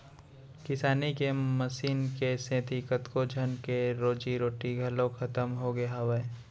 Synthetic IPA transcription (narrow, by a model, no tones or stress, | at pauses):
kɪsaːnikeməsiːnkesẽːt̪ʰikət̪kod͡ʒʱənkeɾoːd͡ʒiɾoːʈiɡʱəlõkʰɐt̪əmɦoɡeaʋe